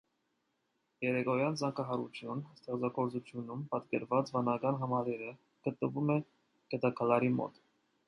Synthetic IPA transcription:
jɛɾɛkɔjɑnt͡sɑŋkɑɦɑɾṵt͡sʰjunst̪ɛχt͡sɑɡɔɾt͡sut͡sʰjunumpɑt̪kɛɾvɑt͡svɑnɑkɑnɦɑmɑlɛɾə | ɡ̥ət̪̚nəvumɛ | kɛt̪ɑkʰɑlɑɾimɔ̰t̪

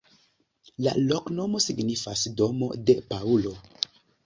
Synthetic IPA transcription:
la̰lokno̞mo̞siɡnifasdo̞mo̞̰de̞paulo̞

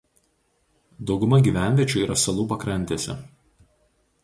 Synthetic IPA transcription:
d̪ɒʊɡʊmɐɡʲiːˑʋʲæˑnʲʋʲiɛt͡ʃʲʊiːɾʔɐsɐlˠuːpɐkɾɐnʲt̪ʲesʲɛ̰

